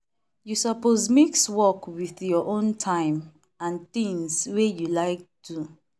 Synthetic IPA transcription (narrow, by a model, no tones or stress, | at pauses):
jusɔpozmekswɔkwiθjɔʔõntʰãɪ̃m | ãntĩŋswejulaɪk̚tʰu